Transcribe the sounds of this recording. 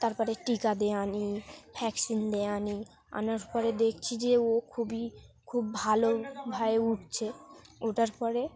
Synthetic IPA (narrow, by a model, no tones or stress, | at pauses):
t̪aɾpɔɾeʈikad̪eanipʰɛksind̪eani | a̰naɾpɔɾed̪ekʰt͡ɕʰid͡ʑeokʰubikʰubːʱalobʱaeuʈ̚ʰt͡ɕʰeoʈaɾpɔɾe